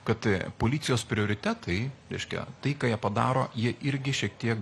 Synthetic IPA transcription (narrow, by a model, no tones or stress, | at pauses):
kɐt̪poːlʲit̪sʲɪjoːspʲɾʲɪoːɾʲɪt̪ʲæːt̪ɐɪɾʲɛɪʃʲkʲɛ̰t̪ɐɪkɑːjiɛpɐd̪ɑ̰ːɾoːjiɛʔɪɾʲɡʲɪʃʲiɛk̚t̪ʲiɛk